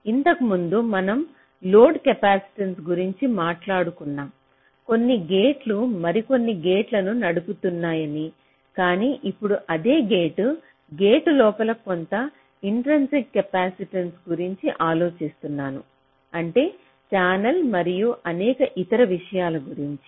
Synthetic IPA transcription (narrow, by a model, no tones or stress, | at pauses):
int̪ɐkɐmund̪umɐnɐm | lo̞ːɖkɐpaːsi̥ʈɐnsɡuɾiɲt͡ʃimaːʈlaːɽukunːaːm | ko̞nːiɡe̞ːʈlumɐɾiko̞nːiɡe̞ːʈlɐnunɐɽuput̪unːaːjɐni | kaːniːʔipːuɽuʔɐd̪e̞ːɡe̞ːʈu | ɡeːʈulɔːpɐlɐkont̪ɐ | iɳʈɾɐnsiŋkɐpaːsiʈɐnsɡuɾiɲt͡ʃiʔaːlo̞ːt͡ʃist̪unːaːnu | ɐɳʈe̞ː | t͡ʃaːnɐlmɐɾijuʔɐnɛːkɐʔit̪ɐɾɐʋiʂɐjaːlɐɡuɾiɲt͡ʃi̥